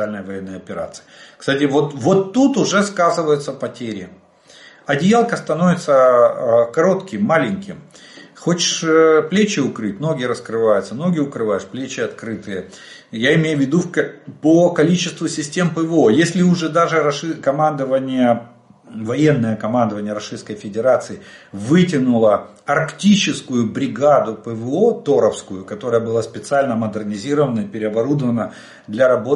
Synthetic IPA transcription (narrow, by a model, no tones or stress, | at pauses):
alʲnəjəvɐjenːəjɐpʲɪɾa̰t̪sɨ̥ɪkst̪atʲɪvo̞t̪vo̞t̪ːut̪ʊʐɛskazɨvəjʊt̪səpɐtʲeɾʲɪ | ɐdʲɪjalˠkəst̪ɐno̞vʲɪt̪sə | kɐɾo̞t̪kʲɪmːalʲɪnʲkʲɪmxot͡ɕɪ̥ʂplʲet͡ɕɪʊkɾɨt̚ʲno̞ɡʲɪɾəskɾɨvajʊt̪səno̞ɡʲɪʊkɾɨvajɪʂplʲet͡ɕɪɐt̪kɾɨt̪ɨjə | jaɪmʲejʊvʲːɪd̪ukpəkɐlʲit͡ɕɪst̪vʊsʲɪsʲtʲe̞mpəvɨo̞jesʲlʲɪʊʐɛd̪aʐɨɾɐʂɨkɐmand̪əvənʲɪjə | vɐjenːəjəkɐmand̪əvənʲɪjəɾɐʂɨskəjfʲɪdʲɪɾat̪sɨɪvɨtʲɪnʊlˠə | ɐrktʲit͡ɕɪskʊjʊbɾʲɪɡad̪ʊpəvɨot̪o̞ɾəfskʊjʊkɐt̪o̞ɾəjəbɨlˠaspʲɪt̪sɨalʲnəməd̪ɨrnʲɪzʲiɾəvənəipʲɪɾʲɪɐbɐɾud̪əvənə | d̪lʲɐɾɐbo